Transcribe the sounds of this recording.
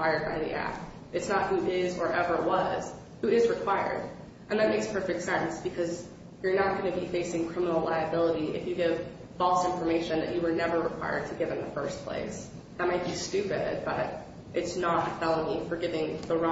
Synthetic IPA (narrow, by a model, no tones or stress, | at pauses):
aɪə˞d̚ba̰ɪðḭʔæ̰k̚ | ɨtsnət̚huʔɪzə˞ʔɛvə˞wʌz̥ | huɪzɹɨkʰw̥aɪə̰˞d | ʔɨ̃nðɨt̚meɪkspʰɜ˞fɪk̚tsɛ̃nsb̥ɨkʰʌz | jə˞nət̚ɡ̥ʌnɨbifeɪsɪ̃ŋkʰɹ̥ɪ̃mənl̩ˠlaɪɨbɪlˠəɾiʔɨ̰fjɨɡɪv̥ | bɔlˠsɪ̃ɱfə˞meɪʃɨ̃nðɨt͡ʃɨwə˞nɛvə˞ɹɨkʰw̥a̰ɪə̰˞d̚tʰɨɡɪvɨ̃nðəfɜ˞spʰl̥ḛɪs | ðɨt̚maɪt̚b̥istʉpɪ̰d̚b̥ʌ̰ɾ | ʔɨtsnətfɛlˠolˠifə˞ɡɪvɪ̃ŋðəɹɔ̃